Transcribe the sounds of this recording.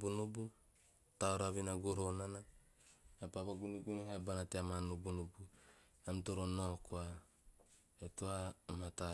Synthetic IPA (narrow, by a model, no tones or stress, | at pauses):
bunubu | taoɾaβinaɡoɾonana | apapaɡunuɡuehabanateamanubunubu | amtoɾonokoa | etoamata